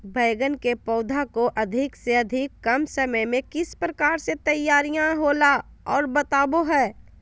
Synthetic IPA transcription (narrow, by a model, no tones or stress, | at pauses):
bʱɐjɡənkepɔːd̪ʱakoʔɐd̪ʱɪkseɐd̪ʱɪkːɐmsɐməjmẽkɪspɾɐkaːɾset̪ɐjːaːɾijãɦoːla | ɔːɾbɐt̪aːboɦɛː